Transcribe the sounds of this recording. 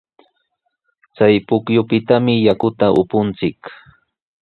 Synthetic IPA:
t͡sajpʊkjʊpɪt̪amɪjakʊt̪aʔʊpʊnt͡sɪk

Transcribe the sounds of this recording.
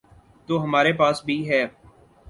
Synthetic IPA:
t̪oːɦəmaːɾepaːsbʱiɦɛː

